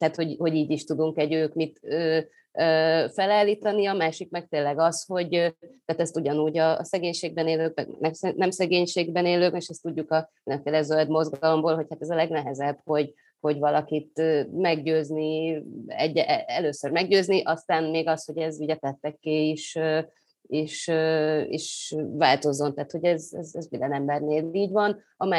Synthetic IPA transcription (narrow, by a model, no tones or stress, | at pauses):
t̪aːt̪ho̞ɟho̞ɟiːɟiʃt̪ud̪uŋkɛɟøːkmit̪øː | øːfɛlaːlːit̪ɒniɒmaːʃikmɛk̚t̪eːnlːɛɡɒsho̞ɟt̪æːt̪ɛst̪uɟɒnuːɟɒ̰ːsɛɡeːɲʃeːɡ̚bɛneːløːkmɛ̰ɡ̰nɛsɛnɛmsɛɡeːɲʃeːɡbɛneːløːkɛeʃɛst̪uɟːukɒɛlɛɱfeːlɛzø̞ld̪mo̞zɡɒlo̞mboːlɦo̞chat̪ɛzɒlɛɡnɛɦɛzɛb̥ho̞ɟ | ho̞ɟvɒlɒkit̪ːmɛɡ̚ɟøːzni | ɛ̰ɟːɛʔɛløːsørmɛɡ̚ɟøːzniʔɒst̪aːnmeːɡɒsho̞ɟɛzuːɟɛt̪ɛt̪ːɛkːeːiʃø | iʃøḭʃvaːlt̪o̞zːo̞nt̪aːt̪ho̞ɟɛzɛ̰zɛzmind̪ɛnɛmbɛrneːliːɟvɒn | ɒmaː